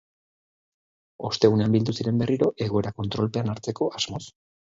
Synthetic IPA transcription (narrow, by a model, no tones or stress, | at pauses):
o̞st̪e̞ɣune̞ambild̪usiɾe̞mbe̞riɾo̞ʔe̞ɣ̞o̞e̞ɾako̞nt̪ɾo̞lpe̞anaɾt͡se̞ko̞ʔaz̥mo̞s